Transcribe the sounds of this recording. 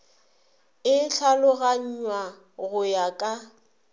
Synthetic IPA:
ɪɬʰalʊɣaɲ̩ɲwa | ɣʊjakʼa

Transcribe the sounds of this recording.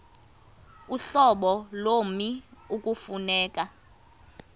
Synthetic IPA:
uɬɔɓɔlomiukʼufunɛːkʼa

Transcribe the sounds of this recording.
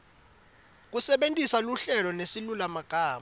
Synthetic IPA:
k̬usɛɓentʼisaluɬɛlɔnesilulamaɡ̥ʱaːma

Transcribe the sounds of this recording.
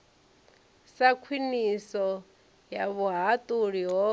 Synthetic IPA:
sakʰwinisɔ | jaβuɦatʼuɺiɦɔ

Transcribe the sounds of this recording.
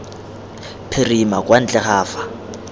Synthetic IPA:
pʰɪrimakʼwan̩t͡ɬʼɛχaːfḁ

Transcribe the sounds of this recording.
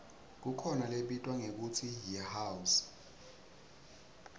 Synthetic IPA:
k̬ukʰɔnaleɓitʼwaŋek̬ut͡sʰijihawus

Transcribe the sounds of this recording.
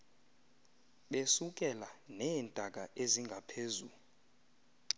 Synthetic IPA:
ɓesuk̬ʼɛlanɛːntʼak̬aʔeziŋɡʱapʰeːzu

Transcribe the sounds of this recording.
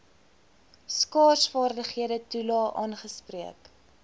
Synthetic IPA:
skɑːsfɑːrdəχhiədətulɑːʔɑːnχəspriək

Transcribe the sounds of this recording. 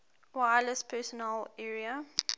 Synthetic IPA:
wajləspʰɛsɔnɛlɛɹiə

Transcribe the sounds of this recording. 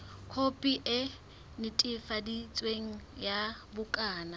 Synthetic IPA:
kʰopʼiʔɪ | nɪtʼɪfadit͡sʼweŋ̩jabʊkʼaːna

